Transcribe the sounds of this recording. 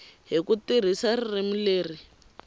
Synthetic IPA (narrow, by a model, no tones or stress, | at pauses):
ɦikutir̤isaririmuleːri